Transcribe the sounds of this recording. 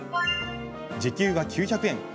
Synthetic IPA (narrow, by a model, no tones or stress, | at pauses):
d͡ʑikʲɨːɡakʲʰɨːçʲakɯ̟ẽ̞ŋ